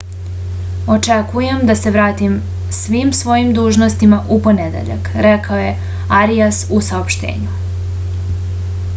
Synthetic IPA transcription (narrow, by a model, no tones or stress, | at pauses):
o̞t͡ʃekuje̞md̪ase̞ʋɾaːt̪im | sʋimsʋo̞jimd̪uːʒnost̪imaʔupo̞ned̪ḛʎa̰kɾekaoje̞ | aɾijasusaopʃt̪ḛːɲu